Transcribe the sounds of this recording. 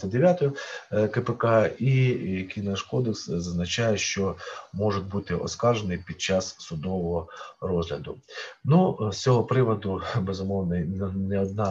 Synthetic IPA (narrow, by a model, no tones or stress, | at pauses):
t̪ɐd̪eʋʲjat̪ɔjʊkepɛkɑikʲinɐʃkɔd̪ekszɐznɐt͡ʃajɛʃt͡ʃɔmɔʒʊt̪̚ʲbut̪ɪʔɔ̰skɑrʒenɪjpʲid̪̚t͡ʃɑssʊd̪ɔʋɔɦɔrɔzɦlʲɐd̪ʊnust͡sʲɔɦɔpɾɪʋɐd̪ʊbezʊmɔwnɐnɛɔd̪̚nɑ